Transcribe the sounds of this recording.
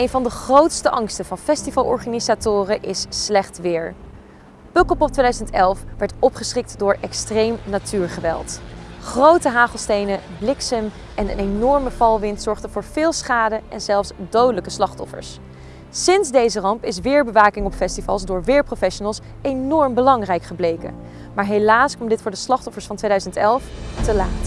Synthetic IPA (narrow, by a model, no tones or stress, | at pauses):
ejnvɑndəχrowtstəʔɑŋstəvɑnfɛstivɑlˠʔɔ̰ɹχanizatʊːrəʔɪsːlɛχtʋɪːɹ | pɵkɔpɔp̚tʋejdœɥzəntɛlˠfʋɛɹtɔpχəsχɪk̚tdʊːɹɛkstrejmnatyːɹχəʋɛ̰lˠtχrowtəɦaːχəlˠstejnə | blɪksəm | ʔɛnə̰nenɔɹməv̥ɑlˠʋɪntsɔɹχdəv̥ʊːɹv̥ɪːlˠsχaːdəʔɛ̰nzɛlˠfsdowdələkəslɑχtɔfə̰ɹs | sɪnzdejzərɑmpɪs̬ʋɪːɹbəʋaːkɪŋɔpfɛstivɑ̰lˠsdʊːɹʋɪːɹprofɛʃonəlˠs | ejnɔɹmbəlɑŋrɛjkχəblejkə̰ | maːɹɦelaːskɑmdɪtfʊːɹdəslɑχtɔfəɹsfɑntʋejdœɥzəntɛlˠftəlaːt